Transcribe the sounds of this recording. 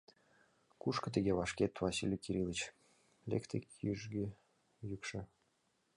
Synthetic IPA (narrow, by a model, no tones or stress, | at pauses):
kuʃkə̆t̪eɣʲeβɑʃket̪vɑsilʲjikiɾʲilˠət͡ɕ | lʲḛkt̪ikjyʒɡe | jykʃə̆